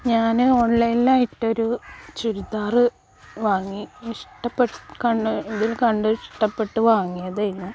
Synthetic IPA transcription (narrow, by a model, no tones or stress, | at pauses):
ɲaːnɨoɭːelːaːjiʈːo̞ɾut͡ɕuɾud̪aːrɨ | ʋaːŋːiiʂʈɐpːeʈkɐɳɖɨiðilkɐɳɖɨʂʈɐpːe̞ʈːɨʋaːŋːijɐðejju